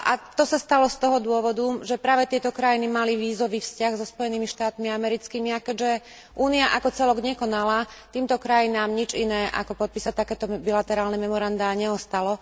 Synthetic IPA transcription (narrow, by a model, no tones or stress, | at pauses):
ʔat̪ɔsast̪alɔst̪ɔɦɔd̪ʊɔʋɔd̪uʒɛpɾaːʋɛt̪ɪɛt̪ɔkɾajinimaliʋiːzɔʋiːfscaɣzɔspɔjɛniːmiʃt̪aːt̪miamɛɾit͡skimiakɛɟʒɛ | ʔuːniaʔakɔt͡sɛlɔɡɲɛkɔnala | t̪iːmt̪ɔkɾajinaːmɲit͡ʃinɛːʔa̰kɔpɔt̪̚piːsat̪akɛːt̪ɔbilat̪ɛɾaːlnɛmɛmɔɾand̪aːɲɛɔst̪alɔ